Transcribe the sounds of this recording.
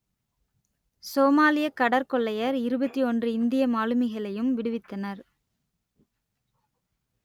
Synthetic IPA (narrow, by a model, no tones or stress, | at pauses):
soːmaːlɪjɐkːɐɽɐɾkɔɭːɐjɐɾɪɾɯbɐt̪ːiɔndrɯɪnd̪ɪjɐmaːlɯmɐɪɣɐɭɐjɯmʋɪɽɯʋɪt̪ːɐnɐɾ